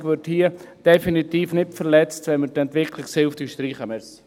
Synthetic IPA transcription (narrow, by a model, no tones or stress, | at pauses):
ɡʋɪthiːəd̥ɛfinitiːfnɪtfəɾlɛt͡stʋɛnməɾtɛntʋɪkʰlɪksɪlftyʃt̪ɾiːχəmɛs